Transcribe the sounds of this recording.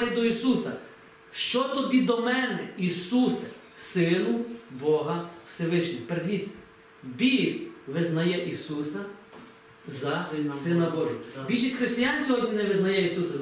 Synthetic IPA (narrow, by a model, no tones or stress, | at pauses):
ɾid̪ɔisusɐ | ʃt͡ʃɔt̪ɔbʲid̪ɔmɛnɛisusɐ | sɪnʊbɔɦɐw̥seʋɪʃnʲipeɾed̪ʋʲit͡sʲːɐ̥ | bʲisʋɪznɐjɛʔisusɐ | zɐsɪnɐbɔʒɪɦɔbʲilʲʃisʲxɾɪst̪ɪjanʲsʲɔɦɔdʲnʲinɛʋɪznɐjɛisusɐ